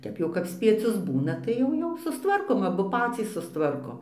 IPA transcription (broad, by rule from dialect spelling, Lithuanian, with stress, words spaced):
ˈtʲɛp jɛʊ kɐp sʲpʲiɛˈt͡sʲʊs ˈbuːnɐ ˈtɐɪ jɛʊ jɛʊ sʊstˈʋɐrkoːm ɐˈbʊ ˈpɑːt͡sʲiːs sʊsˈtʋɐrkoːm